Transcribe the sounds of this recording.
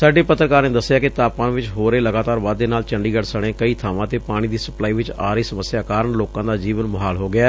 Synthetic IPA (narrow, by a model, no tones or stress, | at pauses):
saːɖeːpət̪ɾəkaːɾnẽːd̪əsːɪjaːkɪt̪aːpãːʋɪt͡ʃɦoːɾeːləɡaːt̪aːɾʋaːd̪eːnaːlt͡ʃə̃ɳɖiːɡəʈsəɽ̃ẽːkəiːt̪ʰaːʋãːt̪eːpaːɽ̃iːd̪iːsəplaːiːʋɪt͡ʃaːɾəiːsəməsːjaːkaːɾəɳloːkãːd̪aːd͡ʒiːʋənməɦaːlɦoːɡɪaː